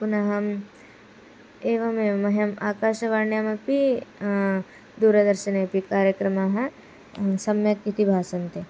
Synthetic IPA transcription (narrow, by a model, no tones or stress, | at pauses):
kunɐɦɐm | eːʋɐmemɐɦjɐmaːkaːʃɐʋaːɳjamɐpi | d̪uːɾɐd̪ɐɾʃɐneːpikaːɾjɐkɾɐmaɦɐ | sɐmjɐkit̪ibʱaːsɐnt̪e